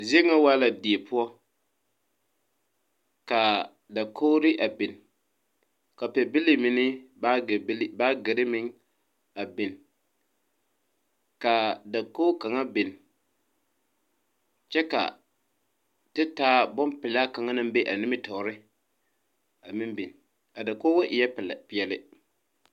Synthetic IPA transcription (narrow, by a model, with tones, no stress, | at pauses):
zi˦e˦ŋa˦waː˦la˨di˨e˨pʊ˦ɔ˦ | ka˨ | da˨kʰo˦ɾɪ˦ʔa˨bɪ˨n | ka˨pɛ˨bɪ˦li˦mɪ˨nɪ˦ba˦˨˦lbaː˦ɡɪ˨ɾɪ˦mɪ˦ŋ | a˨bɪ˨n | ka˨da˨ko˦ka˨ŋa˦bɪ˨n | t͡ʃɛ˦ka̰˨ | tɪ˦taː˦bɔ˦mpɪ˨la˦ka˨ŋa˦nɨ˦m˦be˦ʔa˨nɪ˦mɪ˦tɔː˨ɾɪ˦ | a˨mɪ˦mbi˨n | ka˨da˨ko˦wa˦ʔɪ˨jɛ˦ppɪ˨jɛ˨lɪ˦